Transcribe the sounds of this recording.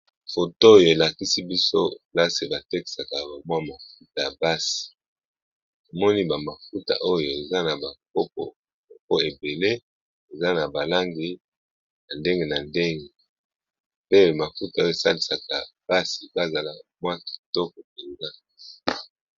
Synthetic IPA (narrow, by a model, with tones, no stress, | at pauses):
fo˨toː˦jo˨e˨la˨ki˦si˦bi˦so˦la˦se˨ba˨te˦ki̥˨sa˨ka˨ba˨m˦a˦ma˨fu˦ta˨ba˦si̥˨ | to˨mɔ˦ni˦ba˨ma˨fu˦ta̰˨ʔo˦jo˨e˨za˦na˨ba˨k̚o˦p̚ɔ̰˨ | ko˦e˨be˨le˦ | e˨za˦na˨ba˨la˦ŋɡi˦ | na˨nde˦ŋɡe˦na˨nde˦ŋɡe˨ | pe˦ma˨fu˦ta˨o˦o˨e˨sa˦li˨sa˨ka˨b̥a˦si˨ba˦za˨la˨mwa˦ki̥˨tɔ˦ko˨p̚ɛ˨ŋza˦˨